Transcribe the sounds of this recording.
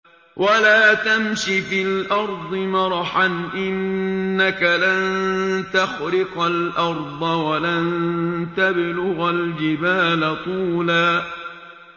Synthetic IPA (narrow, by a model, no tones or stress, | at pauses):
wʔalaːt̪amʃifɪlʔɑɾˤd̪ˤɨmɑɾˤħanʔɪnːakalant̪axɾɪqalʔɑɾˤd̪ˤɑwalant̪ablʊɣald͡ʒɪbaːlat̪ˤuːlaː